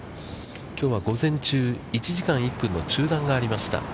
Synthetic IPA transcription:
kʲo̞ːβaɡo̞zẽ̞ɲt͡ɕɨː | it͡ɕiʑikãɰ̃ipːɯ̟̃nːo̞t͡ɕɨːd̪ãŋɡaːɾʲimaɕi̥t̪a̰

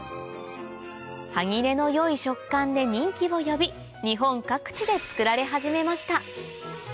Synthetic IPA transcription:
haŋʲiɾe̞no̞jo̞iɕo̞kːãnd̪e̞ɲ̟ĩŋkʲiβo̞jo̞bʲi | ɲ̟iɦõ̞ŋkakɯ̟̥t͡ɕid̪e̞t͡sɨ̥kɯ̟ɾaɾe̞ɦaʑime̞maɕi̥t̪a

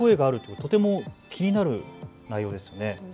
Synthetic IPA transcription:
o̞e̞ɡaːɾɯ̟t̪ːot̪o̞t̪e̞mokʲʰiɲ̟inaɾɯ̟ | naijo̞ːd̪esɨjo̞ne̞

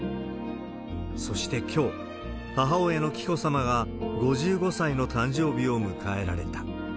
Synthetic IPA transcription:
so̞ɕi̥t̪e̞kʲo̞ː | haɦao̞e̞no̞kʲi̥ko̞samaɡaɡo̞ʑɨːɡo̞saino̞t̪ãɲ̟d͡ʑo̞ːbʲio̞mɯ̟kae̞ɾa̰ɾe̞̰t̪ḁ

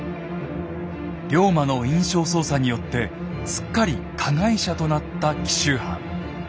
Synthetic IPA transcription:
ɾʲo̞ːmano̞ĩɰ̃ɕo̞ːso̞ːsaɲ̟ijo̞t̪ːe̞ | sɨ̥kːaɾʲikʰaɡaiɕat̪o̞nat̪ːakʲi̥ɕɨːhã̰

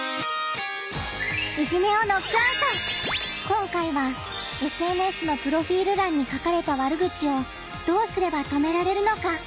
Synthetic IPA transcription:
ɯ̟ʑime̞o̞no̞kasa | kõ̞ŋkaiβae̞sɨe̞nɯ̟e̞sɨno̞pɯ̟ɾo̞ɸʲiːɾɯ̟ɾãɲ̟ːikakaɾe̞t̪aβaɾɯ̟ɡɯ̟t͡ɕio̞ | d̪̥o̞ːsɨɾe̞bat̪o̞me̞ɾaɾe̞ɾɯ̟no̞ka

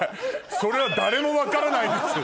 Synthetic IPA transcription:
so̞ɾe̞βad̪aɾe̞mo̞βakaɾanaĩnd̪esɨ

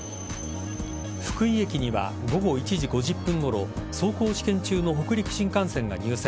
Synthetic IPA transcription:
ɸɯ̥kɯ̟ie̞kʲiɲ̟iβa̰ | ɡo̞ɡo̞it͡ɕiʑiɡo̞ʑɨpːɯ̃ŋɡo̞ɾo̞̰so̞ːko̞ːɕi̥kẽ̞ɲt͡ɕɨːno̞ɦo̞kɯ̟ɾʲikɯ̟̥ɕĩŋkãɰ̃sẽ̞ŋɡa̰ɲ̟ɨːsẽ

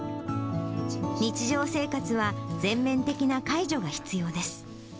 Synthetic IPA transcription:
ɲ̟it͡ɕiʑo̞ːse̞ːkat͡sɨβad͡zẽ̞mːẽ̞nt̪e̞kʲinakaiʑo̞ɡaçi̥t͡sɨjo̞ːd̪e̞sɨ̥

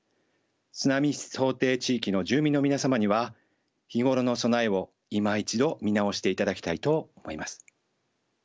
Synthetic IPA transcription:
t͡sɨnamʲiso̞ːt̪e̞ːt͡ɕiːkʲino̞ʑɨːmʲĩnːo̞mʲinasamaɲ̟iβa | çiɡo̞ɾo̞no̞so̞naeβo̞ | imait͡ɕid̪o̞mʲinao̞ɕi̥t̪e̞it̪ad̪akʲi̥t̪ait̪o̞omo̞̰imasɨ̥

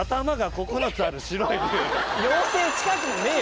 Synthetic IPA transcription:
at̪amaɡako̞konot͡sɨaɾɯ̟ɕiɾoijõːseːɕi̥kakɯ̟neː

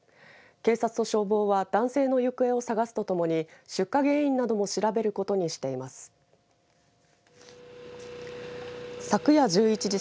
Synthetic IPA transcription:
ke̞ːsat͡sɨ̥no̞ɕo̞ːbo̞ːβad̪̥ãɰ̃se̞ːno̞jɯ̟kɯ̟e̞o̞saɡasɨ̥t̪o̞t̪o̞mo̞ɲ̟iɕɨkːaɡe̞ːĩnːad̪o̞mo̞ɕiɾabe̞ɾɯ̟ko̞t̪o̞ɲ̟iɕi̥t̪e̞imasɨ̥ | sakɯ̟jad͡ʑɨːit͡ɕid͡ʑi

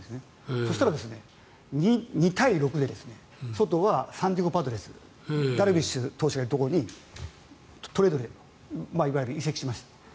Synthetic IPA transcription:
esne | so̞ɕi̥t̪aɾad̪e̞sɨne̞ | ɲiɲ̟it̪aiɾo̞kɯ̟d̪e̞d̪e̞sɨne̞ | so̞t̪o̞βasãnd̪ʲiɡopat̪oɾe̞sɨ̥ | d̪aɾɯ̟bʲiɕɨt̪o̞ːɕi̥kaeɾɯ̟t̪o̞koɾoɲ̟i | t̪o̞ɾe̞d̪o̞ɾe | maiβajiɾɯ̟ise̞kʲi̥ɕimaɕi̥t̪ḁ

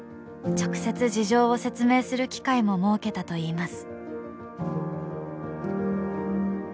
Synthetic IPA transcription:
t͡ɕo̞kɯ̟̥se̞t͡sɨʑiʑo̞ːose̞t͡sɨme̞ːsɨɾɯ̟kʲi̥kaimo̞mo̞ːke̞t̪at̪o̞iːmasɨ̥

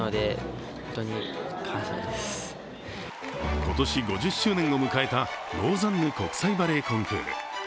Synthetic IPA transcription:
od̪ehõõnt̪oɲ̟ikʰasad̪esɨ̥ɨ̥ | ko̞t̪o̞ɕiɡo̞ʑɨɕːɨːnẽ̞ŋo̞mɯ̟kae̞t̪aɾo̞ːzãnːɯ̟ko̞kɯ̟̥saibaɾe̞ːkõŋkɯ̰ːɾɯ̰

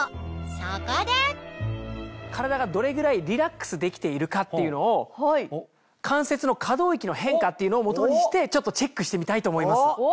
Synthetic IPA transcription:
sakad̪a | kʰaɾad̪aɡad̪o̞ɾe̞ɡɯ̟ɾaiɾʲiɾakːɯ̥sɨd̪e̞kʲi̥t̪e̞iɾɯ̟kat̪ːe̞jɯ̟no̞ː | kʰãɰ̃se̞t͡sɨno̞kʰad̪o̞ːikʲinohẽ̞ŋkat̪ːeiɯ̟noːmo̞t̪o̞ɲ̟iɕi̥t̪e̞t͡ɕo̞t̪ːot͡ɕe̞kːɯɕi̥t̪e̞mʲit̪ait̪o̞ːmo̞imasɨ̥

